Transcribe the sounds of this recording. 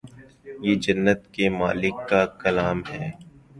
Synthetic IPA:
jeːd͡ʒɐnːət̪kemaːlɪkːakɐlaːmɦɛː

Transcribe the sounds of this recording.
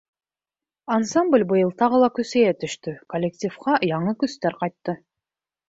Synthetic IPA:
ansamblʲbɯjɯlˠt̪ɑʁɯlˠɑkyseet̪ʰyʃt̪ykolʲːektʲifqɑjɑɴɯkyst̪øɾqɑjt̪ːɯ

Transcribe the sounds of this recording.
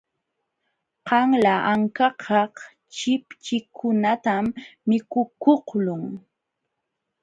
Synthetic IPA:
qɑŋlaʔaŋkɑqʰɑh | t͡ʃɪpt͡ʃɪkʰʊnat̪amːɪkʊkohlʊŋ

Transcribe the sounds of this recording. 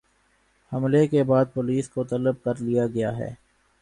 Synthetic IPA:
hɐmlekebaːd̪̚poːliːskot̪ɐləb̚kɐɾlijaɡɐjaɦɛ̰ː

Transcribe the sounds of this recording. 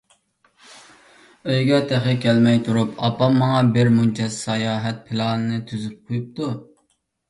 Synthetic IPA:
øjɡʲɛt̪ʰæχɪkʲʰɛlmɛjt̪ʰuɾupɑpɑmːɑŋɑbɪɾmunt͡ʃʰɛsɑjɑːɦɛt̪̚pʰɪlˠɑnɨnɨt̪ʰyzyp̚qʰojup̚t̪ʰu

